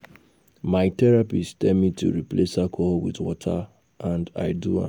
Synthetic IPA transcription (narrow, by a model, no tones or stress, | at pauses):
maɪtɛɹapistɛmitʰṵɹiplesakʰɔlwḭðwɔtʰa̰ | ãnda̰ɪduã̰